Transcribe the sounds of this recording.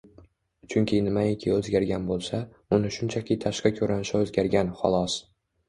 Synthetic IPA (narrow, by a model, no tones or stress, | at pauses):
t͡ʃʰʊŋkʲʰɪnɪmaɪkʲʰɪɵzɡʲaɾɡʲanbolˠsa | ʊnɪʃʊnt͡ʃʰakʲʰɪt̪ʰaʃqakʲʰɵɾanɪʃaɵzɡʲaɾɡʲanχɒ̰lˠɒs